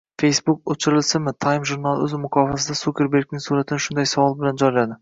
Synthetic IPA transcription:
fe̞jsbʊkot͡ʃʰɪɾɪlsɪmɪt̪ʰajmʒuɾnalˠɵzmʊkʰɒfasɪd̪asukʲe̞ɾbe̞ɾk̚ʲnɪŋsuɾat̪ʰɪnɪʃʊnd̪ajsavɒlˠɪbɪland͡ʒɒjlad̪ɪ

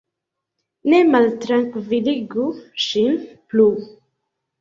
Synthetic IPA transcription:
nemalt̪ɾaŋkviliɡuʃinplu

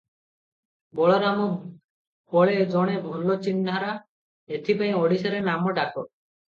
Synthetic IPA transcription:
bɔɭɔɾamɔ | pɔɭed͡ʒɔɽ̃ebʱɔlɔt͡ʃind̪ʱaɾa | et̪ʰipaĩɔɽisɔɾenamɔʈakɔ

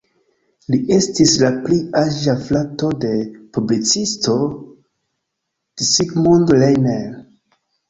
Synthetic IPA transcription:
liʔe̞stislapliaʒaflato̞de̞publit͡sisto̞ | d̥isikmundlejnel

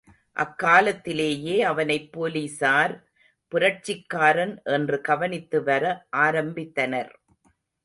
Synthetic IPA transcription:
ʔɐ̰kːaːlɐt̪ːɪleːjeːɐʋɐnɐɪpːoːlisaːɾ | pʊɾɐʈ̚t͡ʃːɪkːaːɾɐnʔɛndrɯkɐʋɐnɪt̪ːɯʋɐɾɐʔaːɾɐmbɪt̪ːɐnɐɾ

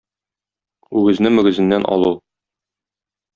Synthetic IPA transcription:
ʉɡɘ̆znɘmɵ̆ɡɘ̆zɘ̆nːænʔɒ̰lˠu

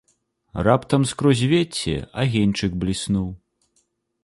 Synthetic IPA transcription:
rapt̪ɐmskɾɔzʲvʲet͡sʲːɛ̰a̰ɣʲenʲt͡ʂɨkblʲisnuw

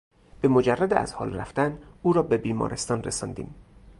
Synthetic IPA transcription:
b̥emod͡ʒærːæd̪eʔæ̰z̥hɒ̰ːlɾæ̰ft̪ænuːɾɒːbe̞biːmɒ̰ːɾʔest̪ɒːnɾesɒːnd̪ḭːm

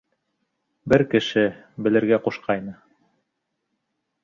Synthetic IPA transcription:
bɘɾkɘ̆ʃɘ | bɘ̆lɘ̆ɾɡæquʃqʰɑjnɤ

